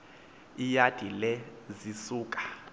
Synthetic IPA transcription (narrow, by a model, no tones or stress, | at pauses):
ijad̥ʱilɛzisuːkʼḁ